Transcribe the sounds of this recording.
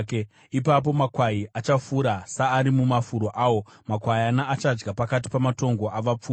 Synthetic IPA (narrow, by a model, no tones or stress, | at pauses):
k | ipap̬o̞makwaiʔat͡ʃafuːɾasaːɾimumafuɾo̞ʔaːwo̞makwajanaːt͡ʃad͡ʒɡapakat̬i̥pamato̞ŋɡo̞ʔaʋap͡fuː